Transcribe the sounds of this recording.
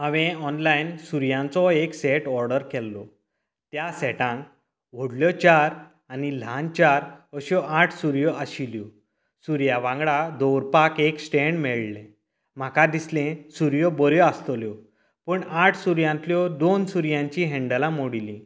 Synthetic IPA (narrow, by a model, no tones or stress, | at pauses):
ãʋẽɔnlajnsuɾjãnt͡sɔeksɛʈɔɾɖəɾkɛlːɔ | t̪jasɛʈãŋk | ʋ̤oɽljɔt͡ɕaɾ | anil̤ãnt͡ɕaɾəɕɔʔaʈʰsuɾjɔaɕiljɔ | suɾjaʋãŋɡɭad̪owɾpakeksʈɛɳɖmɛɭlɛ̃ | m̤akad̪islẽsuɾjɔbɔɾjɔast̪ljɔ | pəɳaʈʰsuɾjãnt̪ljɔd̪onsuɾjãɲt͡ɕiɦɛ̃ɳɖəlãmoɽilĩ